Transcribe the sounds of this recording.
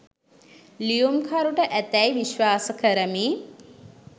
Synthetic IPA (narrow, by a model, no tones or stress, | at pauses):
lijumkʰaɾuʈəʔæt̪ɛjʋiʃʋaːsəkəɾəmiː